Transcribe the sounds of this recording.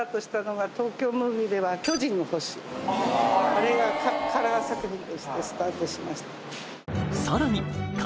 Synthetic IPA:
at̪o̞ɕi̥t̪ano̞ɡat̪o̞ːkʲo̞ːmɯːbʲiːd̪e̞βakʲo̞ʑĩŋoho̞ɕi̥ | aɾe̞ɡakʰaɾaːsakɯ̟çĩnt̪o̞ɕi̥t̪e̞sɨ̥t̪aːt̪o̞ɕimaɕi̥t̪ḁ | soɾaɲ̟ik

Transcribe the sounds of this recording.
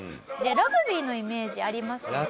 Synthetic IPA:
d̪e̞ɾoɡɯ̟bʲiːno̞ime̞ːʑiaɾʲimasɨ̥

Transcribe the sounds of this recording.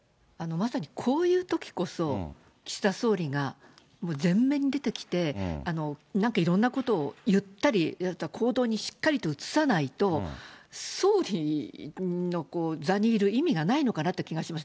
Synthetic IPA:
ano̞masaɲ̟ikʰo̞ːjɯ̟ːt̪o̞kʲi̥ko̞so̞ | kʲi̥si̥t̪aso̞ːɾʲiɡa | mo̞ːzẽ̞mːẽ̞ɲ̟id̪e̞t̪e̞kʲi̥t̪e̞ano̞nãŋkaiɾõ̞nːako̞t̪o̞ːjɯ̟t̪ːaɾʲitβakʰo̞ːd̪o̞ːɲ̟iɕi̥kːaɾʲit̪o̞ɯ̟t͡sɨ̥sanait̪o̞ | so̞ːɾʲi | no̞ko̞ːzaɲ̟iːɾɯ̟imʲiɡanaino̞kanat̪ːekʲiɡaɕimas̬

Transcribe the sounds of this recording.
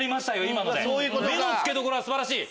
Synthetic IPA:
ɾʲimaɕt̪ajo̞imanod̪eojomeosɨ̥ke̞d̪o̞ko̞ɾo̞βasɨbaɾaɕiː

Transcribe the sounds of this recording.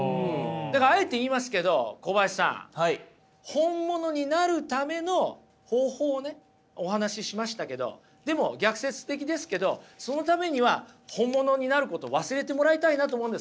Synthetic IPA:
d̪akaae̞t̪e̞iːmas̬ɨ̥ke̞d̪o̞̰kobaisã̰ŋ | hõ̞mːo̞no̞ɲ̟inaɾɯ̟t̪ame̞no̞ | ho̞ːho̞ːne̞ | oɦanaɕiɕimaɕi̥t̪ake̞d̪o̞̰ | d̪̥e̞mo̞ɡʲakɯ̟se̞t͡sɨ̥t̪e̞k̬ʲid̪e̞sɨ̥ke̞d̪o̞so̞no̞t̪ame̞ɲ̟iβahõ̞mːo̞no̞ɲ̟inaɾɯ̟ko̞t̪o̞βasɨɾe̞t̪e̞mo̞ɾait̪ainat̪oːmõnd̪s

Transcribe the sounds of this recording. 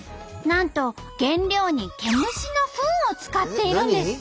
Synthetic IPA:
nãnt̪o̞ | ɡ̥ẽ̞nɾʲjo̞ːɲ̟ike̞mɯ̟ɕino̞ɸɯ̟̃ːot͡sɨ̥kat̪ːe̞iɾɯ̟̃nd̪e̞sɨ̥

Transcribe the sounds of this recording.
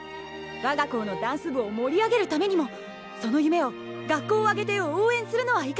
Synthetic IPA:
βaɡako̞ːno̞d̪ãɰ̃sɨbɯ̟omo̞ɾʲiaɡe̞ɾɯ̟t̪ame̞ɲ̟imo̞ | so̞no̞jɯ̟me̞o̞ | ɡakːo̞ːaɡe̞t̪e̞jooːẽ̞ɰ̃sɨɾɯ̟no̞βaika

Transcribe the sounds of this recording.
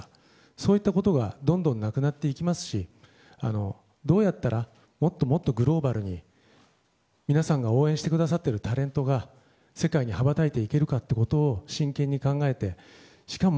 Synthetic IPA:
so̞ːit̪ːakot̪o̞ɡad̪õ̞nd̪õ̞nːakɯ̟nat̪ːe̞ikʲimasɨ̥ɕi | a̰no̞ | d̪o̞ːjat̪ːaɾʔa | mo̞t̪ːo̞mo̞t̪ːo̞ɡɯ̟ɾo̞ːbaɾɯ̟ɲ̟i | mʲinasãŋɡao̞ːẽɕit̪ekɯ̟d̪asat̪ːe̞ɾɯ̟t̪aɾẽ̞nt̪o̞ɡa | se̞kaiɲ̟ihabat̪ait̪e̞ike̞ɾɯ̟kat̪ːeko̞t̪o̞ːɕĩŋkẽ̞ɲ̟ːikãŋɡae̞t̪e̞ | ɕi̥kamo

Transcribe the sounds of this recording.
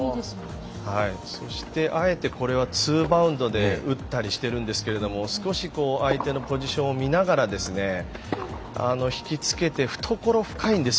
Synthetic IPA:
d̪esm | haiso̞ɕi̥t̪e̞ʔae̞t̪e̞ko̞ɾe̞β̞at͡sɨːbaɯ̟̃nd̪o̞d̪e̞ɯ̟t̪ːaɾʲiɕi̥t̪e̞ɾɯ̟̃nd̪e̞sɨ̥ke̞ɾe̞d̪o̞mo̞sɨ̥ko̞ɕiko̞ːʔait̪e̞no̞po̞ʑiɕõ̞omʲinaɡaɾad̪e̞sɨne̞ | a̰no̞çi̥kʲit͡sɨ̥ke̞t̪e̞ɸɯ̟̥t̪ʰo̞ko̞ɾo̞ɸɯ̟̥kaĩnd̪e̞s

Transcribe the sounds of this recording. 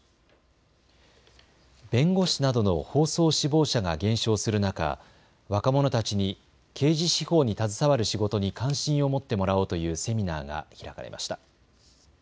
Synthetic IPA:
bẽ̞ŋɡo̞ɕinad̪o̞no̞̰ho̞ːso̞ːɕibo̞ːɕaɡaɡẽ̞ɰ̃ɕo̞ːsɨɾɯ̟naka̰ | βakamo̞no̞t̪at͡ɕiɲ̟i | kʰe̞ːʑiɕiho̞ːɲ̟it̪azɨsaβaɾɯ̟ɕiɡo̞t̪o̞ɲ̟ikʰãɰ̃ɕĩɰ̃o̞mo̞t̪ːe̞mo̞ɾao̞ːt̪o̞jɯ̟ːse̞mʲina̰ːɡa̰çiɾaka̰ɾe̞̰mʔa̰ɕi̥t̪ḁ

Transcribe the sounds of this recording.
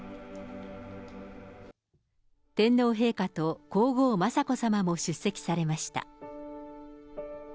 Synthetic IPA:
t̪ẽ̞nːo̞ːɦe̞ːkat̪o̞ko̞ːɡo̞ːmasako̞samamo̞ɕɨsːe̞kʲi̥saɾe̞maɕi̥t̪a̰

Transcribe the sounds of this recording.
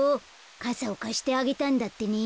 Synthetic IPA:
o | kasaokaɕi̥t̪e̞aɡe̞t̪ãnd̪at̪ːe̞ɲʲi

